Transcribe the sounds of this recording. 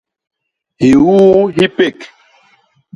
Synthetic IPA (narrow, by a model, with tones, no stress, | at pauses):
hi˨wuː˦ɦi˦pe˦˨k